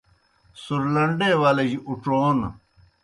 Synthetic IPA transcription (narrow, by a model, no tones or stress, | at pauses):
suɾlɐɳɖeːwaːled͡ʑiʔuʈ͡ʂoːn̰